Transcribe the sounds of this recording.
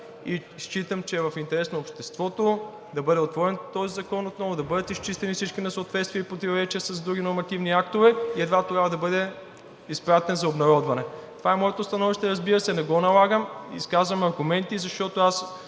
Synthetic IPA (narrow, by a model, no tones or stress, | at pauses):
ist͡ʃit̪əmt͡ʃɛvɐfint̪ɛɾɛsnoːpʃt̪ɛst̪vɔt̪o | d̪ɐbɤd̪ɛot̪vɔɾɛnt̪ɔzizɐkɔnot̪nɔvʊd̪ɐbɤd̪ət̪ist͡ʃist̪ɛnifsit͡ʃkinɐsəot̪vɛt̪st̪viəipɾot̪ivoɾɛt͡ʃiəsɐzd̪ɾuɡ̟inoɾmɐt̪ivniak̚t̪ovɛiɛd̪vat̪oɾʲjabvɐd̪ɐbɤd̪ɛ | ispɾat̪ɛnzɐobnɐɾɔd̪vɐnɛt̪ovaɛmɔɛt̪ost̪ɐnɔviʃt̪ɛɾɐzbiɾəsɛnɛɡɔnɐlˠaɡəmḭskazvɐmɐɾɡʊmɛnt̪izɐʃt̪ɔt̪oas